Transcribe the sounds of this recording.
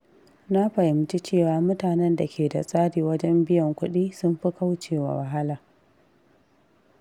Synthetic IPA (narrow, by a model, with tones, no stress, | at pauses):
na˦ɸɐ˨jɪ˨m˦t͡ʃi˦t͡ʃeː˦˨waː˨mʊ˦taː˨nɛ˦nda˨kʲʰeː˨da̰˨sʼaː˦diː˨wɐ˦d͡ʒɛ˦mbɪ˦jɔ˨ŋkʷʊ˦ɗiː˦sʊ˦mɸi˦ka˦wt͡ʃeː˨wa̰˨wa˨ɦa˦laː˨